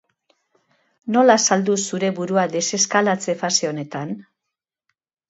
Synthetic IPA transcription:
no̞lasald̪usuɾe̞βuɾuad̪e̞se̞skalat͡se̞faseone̞t̪an

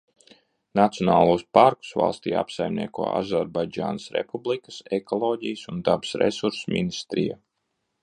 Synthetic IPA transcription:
nat̪sijɔnaːlˠuːspaɾku̥sva̰lˠst̪iːa̰psajmnḭɛkuɔːa̰zaɾbajd͡ʒa̰ːnsɾɛ̰publˠikḁsɛkɔlˠɔːɟijsund̪absɾɛ̰suɾsmʲḭnist̪ɾḭja̰

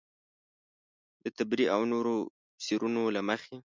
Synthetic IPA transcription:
d̪ət̪abɾiawnoɾo | siɾunolaməxe

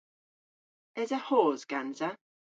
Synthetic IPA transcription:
ɛzəhɔːzɡ̥anzə

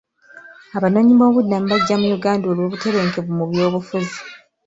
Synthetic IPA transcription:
aβano̞ːɲimo̞ːβudːam̩baɟːamujuɡaːndo̞ːlwo̞ːβute̞βe̞ːŋke̞βumuβjo̞ːβufuzi

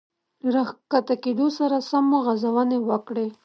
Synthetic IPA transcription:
ɾaxkat̪akeɖ̪osaɾasamoɣazawanewəkɽe

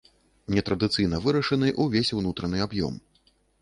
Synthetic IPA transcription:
nʲɛt̪ɾɐd̪ɨt̪sɨjn̪ɐvɨɾɐʂɐnɨʔuvʲesʲwnut̪ɾɐnɨabjɔ̰m

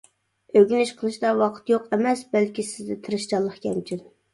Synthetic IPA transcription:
øɡʲynɪʃqʰəlˠɨʃd̪ɑwɑqʰə̥t̪joqɛmɛsbɛlkʲisɪzd̪ɪt̪ʰɨɾɨʃt͡ʃɑlˠːəχkʲʰɛmt͡ʃʰyn

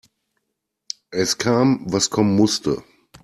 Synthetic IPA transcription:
ʔɛskʰaːmvaskʰɔmənmʊstʰə̰

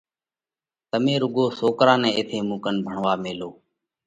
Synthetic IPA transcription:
t̪əmẽːɾʊɠoːsoːkɾãːnɛ̃ːɪt̪ʰeːmũːkənbʱəɳʋaːmeːloː

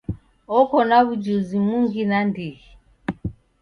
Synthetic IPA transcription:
ɔkɔnaβud͡ʒuzimuŋɡinandiɣi

